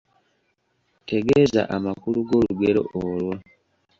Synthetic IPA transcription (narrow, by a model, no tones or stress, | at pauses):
te̞ɡeza̰ʔamakuluɡo̞luɡe̞ɾo̞̰ʔolwa